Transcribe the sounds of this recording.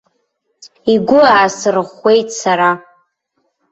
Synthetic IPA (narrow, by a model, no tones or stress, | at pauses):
iɡʷʊasɨrɨχʷːe̞jtʼsaɾa